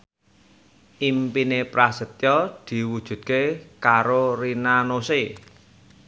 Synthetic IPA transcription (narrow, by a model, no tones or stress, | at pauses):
ʔimpinepɾasət̪̚jɔd̪̥i̤wud̥ʒ̥ṳt̪̚kekaɾorinanose